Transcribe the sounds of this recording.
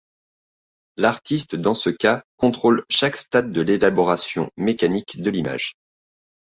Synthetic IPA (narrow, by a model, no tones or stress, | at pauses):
laʁt̪ist̪d̪ɑ̃səkakɔ̃t̪χolʃakst̪at̪̚d̪əlelabɔʁasjɔ̰̃mekanikd̪əlima̰ʒ